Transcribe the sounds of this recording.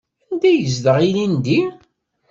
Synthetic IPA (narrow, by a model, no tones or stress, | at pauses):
ænd̪æjəzdəʁilind̪i